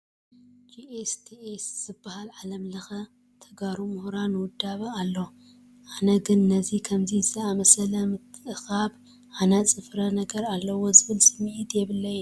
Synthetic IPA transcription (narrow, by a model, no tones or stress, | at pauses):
d͡ʒiʔest̪ʰiesz̥ɨbːahalʕalɐmlɐxɐ | t̪ʰɐɡaɾumuhɾanɨwʊd̪ːaβalːo | ʔanɐɡɨnːɐzikʰɐmzizɐamɐsɐlɐmɨt̪ʰːɨʔɨxaβ | ʔanɐt͡sʼɨfɾɐnɐɡɐɾalːɐwo̞zɨβɨlsʼɨmʕit̪ʰjɛβɨlːɐjɛ